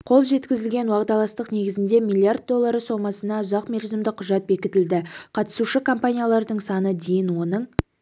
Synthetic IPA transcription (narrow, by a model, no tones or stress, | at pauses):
qʰo̞lˠʒe̞t̪kʲɪzɪlɡʲe̞nwɑqd̪ɑlˠɑst̪əqne̞ɡʲɪzɪnd̪e̞mʲilʲˠːiard̪̚ːo̞lˠːaɾəso̞mɑsənɑʊzɑqmerʲzɪmd̪ɪqʰʊʒɑt̪̚be̞kʲɪt̪ɪld̪ɪqʰɑt̪ə̥suʃɪkʰompanʲijalˠɑɾd̪əɴsɑnəd̪e̞jɪnwo̞nəɴ